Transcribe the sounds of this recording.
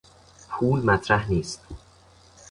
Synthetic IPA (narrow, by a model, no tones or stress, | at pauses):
pʰuːlmæt̪ʰɾæhniːst̪̚